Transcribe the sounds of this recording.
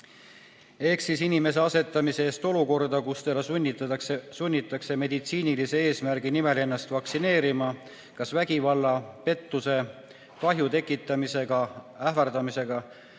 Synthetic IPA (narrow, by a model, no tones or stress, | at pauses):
e̞ksisinime̞s̬e̞ɑse̞t̪ːˑɑmise̞eːst̪o̞luko̞rd̪ɑkust̪elɑuːsunʲːit̪ːˑɑkse̞me̞d̪it̪siːnilise̞e̞ːsmærɡ̥inime̞le̞nːɑst̪vɑksine̞ːɾimɑ | kɑsvæɡ̥ivɑlːɑpe̞t̪ːuse̞ | kɑɦjut̪e̞kːˑit̪ːˑɑmise̞ɡ̥ɑ | ævɑrd̪̥ɑmise̞ɡ̥ɑ